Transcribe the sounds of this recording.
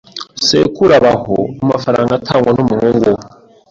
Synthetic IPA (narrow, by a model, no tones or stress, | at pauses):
sḛkuɾaβaho̰amafaɾaːŋɡatʰaŋɡwanomuhoːŋɡo